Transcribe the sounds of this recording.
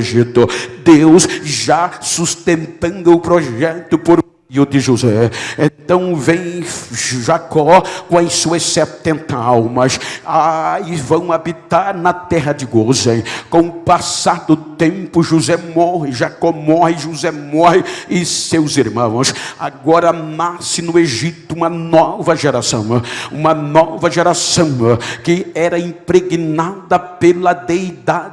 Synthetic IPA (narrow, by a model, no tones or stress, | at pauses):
ʒit̪ʊd̪ewsʒasust̪ẽnt̪ɐ̃nd̪ʊʊpɾɔʒɛt̪ʊpoɾmejʊd̪ɪʒuzɛẽnt̪ɐ̃w̃vẽj̃ | ʒakɔkõɐsuɐssɛt̪ẽnt̪ɐawmɐsaɪvɐ̃w̃abit̪aɾnɐt̪ɛɦɐd̪ɪɡozẽj̃kõw̃ʊpasad̪ʊt̪ẽmpʊʒuzɛmɔɦɪʒakɔmɔɦɪʒuzɛmɔɦɪɪsewziɾmɐ̃w̃saɡɔɾɐnasɪnʊeʒit̪ʊũmɐnɔvɐʒeɾasɐ̰̃w̃ũmɐnɔvɐʒeɾasɐ̃w̃kɪɛɾɐĩmpɾeɡinad̪ɐpelɐd̪ejd̪a